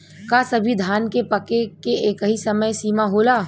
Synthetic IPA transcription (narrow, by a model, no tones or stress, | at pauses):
kaːsɐbʱid̪ʱaːnkepɐkekeeːkɦisɐməjsiːmaɦoːlaː